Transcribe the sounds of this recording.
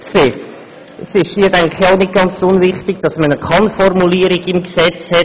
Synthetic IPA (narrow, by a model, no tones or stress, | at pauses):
seː | sɪʃhiədɛŋχaʊnɪt̚ɡ̥ɑnt͡sʊnvɪχtɪɡ̥d̥ɑsmənəkʰɑnfɔrmuliːəɾɪɡɪmɡsɛt͡shɛ